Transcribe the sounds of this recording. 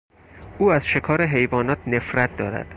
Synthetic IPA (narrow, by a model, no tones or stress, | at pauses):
ʔuːæzʃe̞kʰɒːɾeɦe̞jvɒːnɒːt̪ʰne̞fɾæt̪̚ʰd̪ɒːɾæ̰d̪̥